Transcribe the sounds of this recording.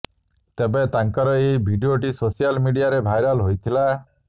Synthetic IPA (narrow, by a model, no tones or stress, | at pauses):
t̪ebet̪aŋkɔɾɔebʱiɖioʈisosijalmiɖijaɾebʱajɾɔlɦojt̪ʰila